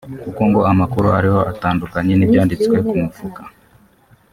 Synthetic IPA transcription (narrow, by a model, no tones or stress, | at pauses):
kukoŋɡoamakuɾuaɾiho̞ʔataːndukaɲenibjaːndit͡swe̞kumufukḁ